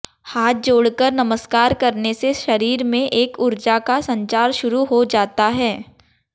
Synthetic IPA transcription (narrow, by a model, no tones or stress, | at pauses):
haːt̪̚d͡ʒoːɽkəɾnɐməskaːɾkɐɾneseʃɐɾiːɾmẽʔeːkʊɾd͡ʒakasɐ̃ɲt͡ʃaːɾʃʊɾuɦod͡ʒaːt̪aɦɛː